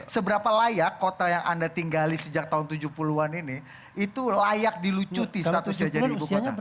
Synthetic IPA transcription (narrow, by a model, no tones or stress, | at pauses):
səbəɾapalajakːot̪ajaŋʔa̰ndat̪iŋɡalisəd͡ʒak̚t̪aɦʊnt̪ud͡ʒupuluanini | it̪ulajak̚dilut͡ʃut̪isat̪usɲad͡ʒaiibukoa